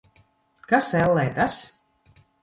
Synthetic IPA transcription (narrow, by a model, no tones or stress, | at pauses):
kasɛlˠːɛjt̪as